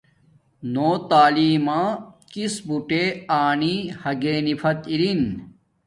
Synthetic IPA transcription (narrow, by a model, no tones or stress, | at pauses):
noːt̪aːliːmãːkisbuʈeaːnihɐɡeːnifʰɐt̪iɾin